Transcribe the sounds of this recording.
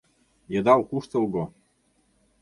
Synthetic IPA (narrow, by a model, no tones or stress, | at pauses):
jɤ̆d̪ɑwkuʃt̪ɤ̆lˠɡo